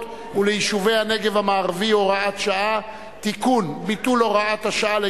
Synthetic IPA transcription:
t | ulejiʃuve̞jhane̞ɡe̞vamaːʁvioʁaat̪ʃaa | t̪ikunbit̪uloʁaat̪haʃaale

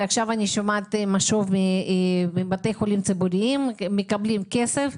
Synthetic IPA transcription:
aχʃavaniʃomat̪maʃovmimibat̪e̞jxolimt͡sibuɾiimːekablimkesef

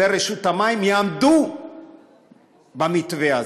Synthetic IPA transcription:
eɾeʃut̪amaimjaːmd̪u | bamit̪vea

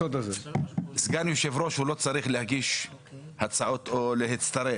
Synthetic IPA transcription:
ot̪azezɡanjuʃevɾo̞ʃhulo̞t͡saɾiχlehaɡiʃ | hat͡saʔot̪ʰoleɦet͡st̪aɾe

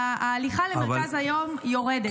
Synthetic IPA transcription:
liχalemeʁkazhajo̞mjo̞ʁed̪e

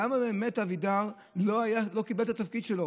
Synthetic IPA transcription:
amabeːme̞tavid̪aʁ | lo̞ajalo̞kibelt̪at̪afkid̪ʃelo

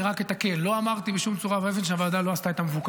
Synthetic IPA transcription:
ʁake̞t̪ake̞lːo̞amaʁt̪ibeʃumt͡suʁavaevenʃeavad̪alo̞ast̪aet̪amevuk

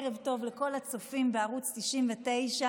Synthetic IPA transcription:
ʁevto̞vleko̞lat͡sofimbeaʁut͡stiʃimvete̞jʃa

